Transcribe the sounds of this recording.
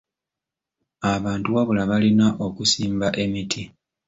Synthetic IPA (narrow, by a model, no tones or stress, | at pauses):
aβaːntuwaβulaβalinaʔo̞kusiːmbaʔe̞mitʰi